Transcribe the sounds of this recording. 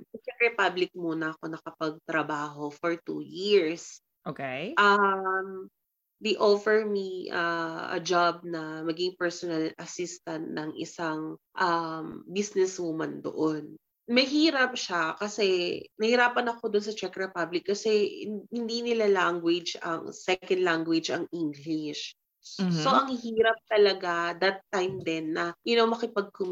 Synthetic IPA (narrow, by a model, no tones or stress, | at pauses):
sɐt͡ʃɛk̚ɹɛpablɪk̚muːnɐːko̞nɐkɐpɐɡ̚t̪ɾɐbaːɦo̞fɔɹt̪ṵːjiɹs | ʔokejʔɐm | d̪ejʔofɛɹmiʔɐɐ̰d͡ʒab̚nɐmɐɡɪŋpɛɹsonɐlɐsist̪ɐnt̪̚nɐŋʔɪ̰saŋ | ʔɐmbisnɛsmumɐnd̪o̰ʔon | mɐjɦiːɾɐp̚ʃakɐsɛnɐhɪɾaːpɐnɐko̞d̪ons̬ɐt͡ʃɛkɹɛpablɪkːɐsɛhɪnd̪inɪlalaŋɡwɪd͡ʒɐ̰ŋsɛknd̪laŋɡwɪd͡ʒɐŋʔiŋɡlɪʃ | soʔɐŋhhiːɾɐp̚t̪ɐlɐɡad̪ɐt̪ːajmd̪ɛnːɐjʊnomɐkɪpɐɡ̚kʊm